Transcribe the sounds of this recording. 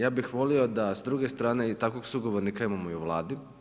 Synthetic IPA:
jaːbixʋo̞lio̞d̪asd̪ɾuːɡe̞st̪ɾaːne̞it̪akoɡsuɡoʋoɾniːkaimamoiuʋlˠa̰ːd̪i

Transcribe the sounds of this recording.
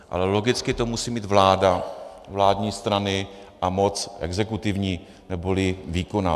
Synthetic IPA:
ʔa̰lɛlo̞ɡɪt͡skɪt̪o̞musiːmiːd̪vlaːdavlaːdɲiːst̪ɾanɪ | ʔamo̞t͡sʔɛ̰ɡzɛkut̪ɪvɲiː | nɛbolɪviːkona

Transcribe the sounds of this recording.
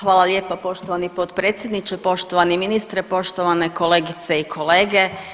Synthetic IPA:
xʋaːlˠalʲje̞ːpapo̞ʃt̪oʋanipot̪pɾeːt̪sʲje̞d̪nit͡ɕepo̞ʃt̪oʋaniminist̪ɾepo̞ʃt̪oʋaneko̞le̞ːɡit̪se̞ikʰo̞leːɡe̞

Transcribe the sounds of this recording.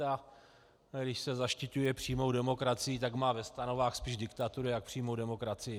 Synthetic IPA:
a | ɡdɪʃsɛzaʃcɪcujɛpr̥iːmo̞wdɛmo̞kɾat͡sɪjɪt̪aɡmaːvɛst̪anovaːxspiːʒdɪkt̪at̪uɾɪjak̚pr̝̥iːmowdɛmo̞kɾat͡sɪjɪ

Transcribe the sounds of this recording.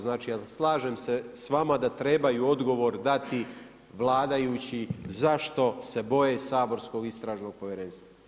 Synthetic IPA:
znaːt͡ʃijaslˠaːʒeːmsesʋamad̪at̪ɾe̞bajuːo̞d̪ɡo̞ʋo̞ɾd̪at̪i | ʋlˠaːd̪ajuːt͡ɕizaʃt̪o̞se̞bo̞je̞saːbo̞ɾsko̞ɡist̪ɾaːʒno̞ɡ̚po̞ʋjeɾeːnst̪ʋa

